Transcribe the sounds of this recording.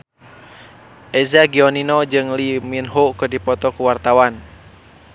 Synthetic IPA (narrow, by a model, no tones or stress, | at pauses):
ʔɛzaɡiɔninɔd͡ʒɨŋliminɦokɨdipɔt̪ɔkuwart̪awan